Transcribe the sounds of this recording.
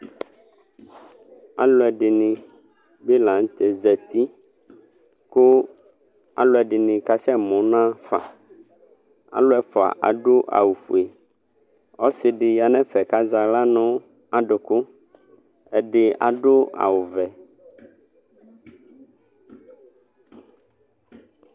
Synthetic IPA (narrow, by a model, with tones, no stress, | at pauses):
a̰˨lʊ˦ɛ˨ɖɪ˨nɪ̃˨ | be˦lã˨ŋ˦t̪ɛ˨zɛ˨t̪i˦ | kʊ˦ | a̰˨lʊ˨˦ɛ˨ɖɪ˨nɪ̃˨ka˦t͡ʃɛ˦mɔ̃˨˦nã˦fa̰˨ | a̰˨lʊ˦ɛ˨fa̰˨ʔa̰˨ɖʊ˦ʔa̰˨wu˨fṵ˨e˨ | ɔ˦sɪ˨ɖɪ˨ja˨nɛ̃˦fɛ˨ka˦za˨la˦nɔ̃˦ | a˨ɖʊ˨kʊ˦ | ɛ˨ɖɪ˨a̰˨ɖʊ˦a̰˨wʊ˨vɛ˨